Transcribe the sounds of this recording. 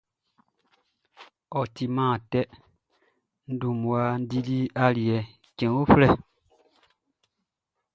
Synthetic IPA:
ɔ˨ti˨mãː˦˨tɛ˦ | n̩˦du˨mu˨a˦n̩˦di˦li˦a˦li˨ɛ˨ | kɛ̃˨˦o˦flɛ˦˨

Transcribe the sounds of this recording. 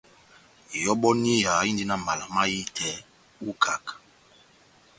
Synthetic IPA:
jɔ˦ɓɔ˦ni˦ja˨˦i˦ndi˦na˦ma˨la˨ma˦ji˦tʰɛ˨˦ | u˦kʰa˨k

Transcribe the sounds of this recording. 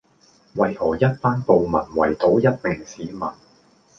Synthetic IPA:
wɐ˨jhɔː˨˩jɐ˥t̚paː˥npo˨wmɐ̰˨˩nwɐ̰˨˩jt̪o˨˧˥wjɐ˥t̚mɛ˨ŋsiː˨˥mɐ̰˨˩n

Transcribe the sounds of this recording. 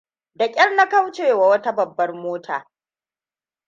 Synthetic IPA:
dɐ˨kʲʼɪ˦rna˦ka˦wt͡ʃeː˨wa˨wɐ˦ta˦bɐ˨bːɐ˦rmoː˦tʰaː˨

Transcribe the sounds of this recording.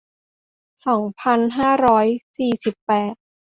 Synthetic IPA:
sɔː˩˦ŋpʰa˧nɦaː˥˩ɾɔː˦˥jsiː˨˩si˨˩pːɛː˨˩t̪̚

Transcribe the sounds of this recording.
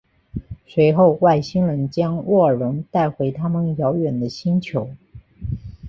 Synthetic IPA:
swe˧˥ɪxo˥˧ʊwa˥˩ɪɕi˥ŋlə˧˥nt͡ɕjɑ˥ŋwɔ˥˩ə˨˩ɻʊ˧˥ŋt̪a˥˩ɪxwe˧˥ɪt̪ʰa˥mə˨njɑ˧˥ʊɥɛ˨˩nd̪ə˦ɕi˥nt͡ɕʰjo˧˥ʊ

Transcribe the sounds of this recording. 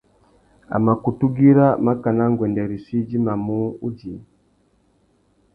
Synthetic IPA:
a̰˨ma˨ku˨tu˦ɡi˦ɾa˦ma˦ka˨na˦ŋɡwɛ˨ndɛ˨ɾi˨si˦d͡ʒi˦ma˨mu˦u˦d͡ʒi˨

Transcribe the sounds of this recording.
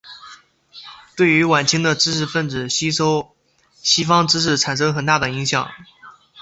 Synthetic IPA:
t̪we˥˩ɪy˧˥wa˨˩nt͡ɕʰi˥ŋd̪ə˨˧ʈ͡ʂɻ̩˥ʂɻ̩˥˧fə˥˩nɻ̩˨˩ɕi˥ʂo˥ʊ | ɕi˥fɑ˥ŋʈ͡ʂɻ̩˥ʂ̬ɻ̩˥˩ʈ͡ʂʰa˨˩nʂ̬ɤ˥ŋxə˨˩nt̪a˥˩d̪ə˩i˧˥ŋɕjɑ̰˨˩˦ŋ

